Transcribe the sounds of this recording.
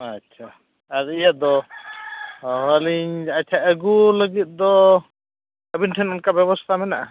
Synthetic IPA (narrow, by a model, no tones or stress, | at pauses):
atːt͡ʃʰa | aɾijad̪ɔ | ɦəliɲat͡ʃʰaəɡuləɡit̪̚ˀd̪ɔ | əbinʈʰɛnɔnkabjɛβɔst̪ʰamɛnaʔa